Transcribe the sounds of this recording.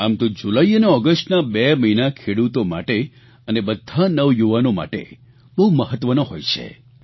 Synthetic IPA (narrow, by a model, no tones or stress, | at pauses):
amt̪od͡ʒulaiəneɔɡəsʈnabeməinakʰeɽut̪omaʈe | ənebəd̪ʱːanəʋjuʋanoma̰ʈḛ | bəɦuməɦət̪ʋənoɦojt͡ʃʰḛ